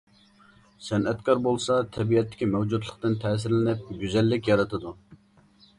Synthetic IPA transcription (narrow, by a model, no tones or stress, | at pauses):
sɛnɛt̪kʰɑɾbolˠsɑt̪ʰɛbiɛt̪ːɪ̥kʲimɛwd͡ʒud̪lˠə̥qt̪ɨnt̪ʰɛːs̬ɪɾlɪnɪp̚ɡʲyzɛlːɪkʲjɑɾɨt̪ʰɨd̪u